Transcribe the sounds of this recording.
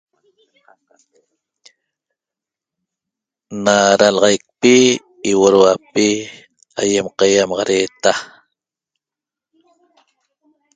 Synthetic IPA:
naɾalʁɑjk̚piː | woɾwapi | ajemqɑjamɑʁɑɾeːt̪a

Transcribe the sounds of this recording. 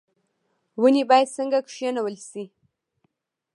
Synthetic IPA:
wənibɑjad̪səŋɡakʂjanawəlsi

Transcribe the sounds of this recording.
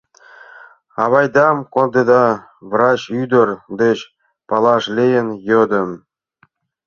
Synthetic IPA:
ɑβɑjd̪ɑmkond̪ĕd̪ɑ | vrɑt͡ɕyd̪ə̆rd̪et͡ɕ | pɑlˠɑʂlʲejənjod̪ɤ̆m

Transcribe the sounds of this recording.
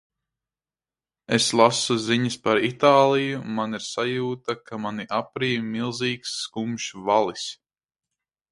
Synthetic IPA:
eslˠasuziɲəspaɾit̪aːlˠijumaniɾsajuːt̪akamaniʔapɾiːmilˠziːksːkumʃvalˠis

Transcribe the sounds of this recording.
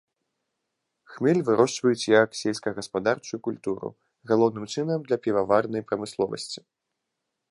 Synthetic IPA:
xmʲɛlʲvɨɾɔʂt͡ʂvɐjut͡sʲjɐksʲɛlʲskɐɣɐspad̪art͡ʂujukulʲt̪uɾṵ | ɣalˠɔwn̪ɨmt͡ʂɨnɐmd̪lʲɐpʲivavarn̪ɐjpɾɐmɨslˠɔvɐ̰sʲt͡sʲi̥

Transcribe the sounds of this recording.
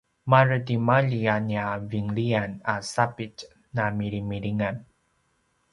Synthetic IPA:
maɾədimaʎianiaviŋlianasapit | namiɾimiɾiŋan

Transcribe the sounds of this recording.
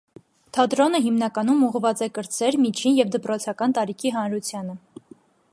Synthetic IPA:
t̪ʰɑd̪ɾɔnəɦimnɑkɑnumuʁvɑt͡sɛkəɾt͡sʰɛɾmit͡ʃʰinjɛvd̪əpɾɔt͡sʰɑkɑnt̪ɑɾikʰiɦɑnɾut͡sʰjɑnə

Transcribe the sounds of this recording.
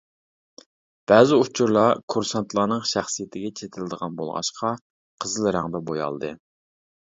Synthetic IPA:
b̥æːzɪut͡ʃʰuɾlˠɑkʰuɾsɑnt̪ʰlˠɑːnɨŋʃæχsijɪt̪ʰɪɡʲɛt͡ʃʰet̪ʰɪlɪd̪əʁɑnbo̰lˠʁɑ̰ʃqʰɑ | qʰəzɨlˠɾɑŋd̪ɛbojɑ̰lˠd̪ɨ

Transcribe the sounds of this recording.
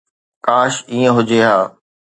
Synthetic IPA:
kaːʃiːə̃ɦʊd͡ʑeɦaː

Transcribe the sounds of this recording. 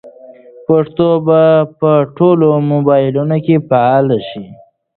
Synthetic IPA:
paʂt̪obapəʈʰolomobɑjɪlunokepaɑlaʃi

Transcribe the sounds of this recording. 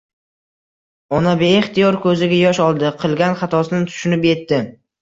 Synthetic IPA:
ɒnabeːχt̪ijɒɾkʰɵzɪɡʲajɒʃɒlˠd̪ɪqʰɨlˠɡʲanχat̪ʰɒsɪnɪt̪ʰʊ̥ʃʊnɪpje̞t̪ːɪ

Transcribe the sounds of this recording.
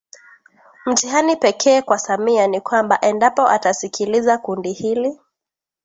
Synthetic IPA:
m̩tiɦanipɛkʰɛːkwasamianikwambaʔɛndapɔʔatasikʰilizakundihili

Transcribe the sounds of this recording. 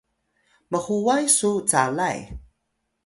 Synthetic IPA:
məχuwajsut͡salaj

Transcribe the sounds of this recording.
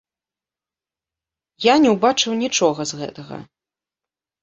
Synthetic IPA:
janʲɛwbat͡ʂɨwnʲit͡ʂɔɣɐzɣɛ̰t̪ɐɣɐ̰

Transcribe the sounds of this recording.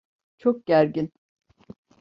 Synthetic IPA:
t͡ʃʰok̚ɟ̥æɾɟin

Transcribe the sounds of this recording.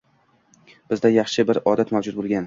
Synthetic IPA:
b̥ɪzd̪ajɑχʃɪbɪɾɒd̪at̪mavd͡ʒʊd̪̚bolˠɡʲan

